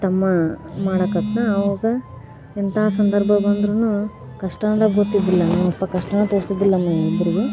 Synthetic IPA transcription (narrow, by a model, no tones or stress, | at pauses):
t̪ɐmːɐmaːɽɐkɐt̪nɐːʋɐɡɐ | ent̪ʰɐaɦːsɐnd̪ɐɾbʱɐbɐnd̪ɾunu | kɐʂʈɐnɐd̪ɐɡɡot̪ːid̪ilːɐnaːʋɐpːɐkɐʂʈɐnɐt̪oːɽsɐd̪ilːɐmɐid̪ɐɾiɡe